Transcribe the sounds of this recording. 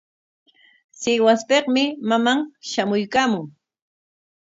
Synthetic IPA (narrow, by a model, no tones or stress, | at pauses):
sɪwaspeχmɪmamaŋʃamʊjkaːmʊŋ